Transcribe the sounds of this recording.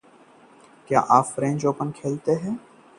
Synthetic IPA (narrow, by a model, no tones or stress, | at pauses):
kja̰ːʔaːfɾẽːnd͡ʒoːpənkʰeːlt̪eːɦɛ̃ː